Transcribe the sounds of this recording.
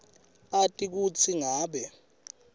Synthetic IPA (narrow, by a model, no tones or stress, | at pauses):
atʼik̬ut͡sʰiŋaːɓɛ